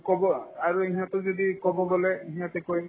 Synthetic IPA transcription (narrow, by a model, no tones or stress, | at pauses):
kɔbɔaɹueɦiɔtozodikɔbɔɡɔlɛeɦiatekoj